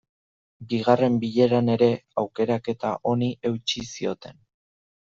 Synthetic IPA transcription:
biɣare̞mbiʎe̞ɾane̞ɾe̞awke̞ɾake̞t̪aʔo̞niʔe̞wt͡ʃisio̞t̪e̞n

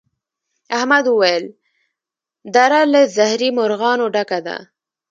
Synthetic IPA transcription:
ahmad̪wəwajəl | d̪aɾaləzahɾimʊɾɣɑnoɖakad̪a̰

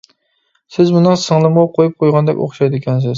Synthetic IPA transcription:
sɪzmʊnɨŋsɨŋlˠɨmʁɑqʰojup̚qʰojʁɑnd̪ɛ̰kʲo̰χʃajd̪ɪkʲʰɛns̬ɪz

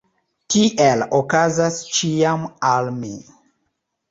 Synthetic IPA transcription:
tiʔelokazast͡ʃiamalmi

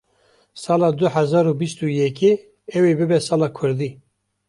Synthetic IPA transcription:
sɑːlɑːd̪ʊhæzɑːɾubist̪ujɛki | ɛwebɨbɛsɑːlɑːkʰʊɾd̪iː

